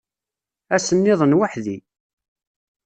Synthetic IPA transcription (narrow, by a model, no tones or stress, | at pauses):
æsənːɪðˤənwaħði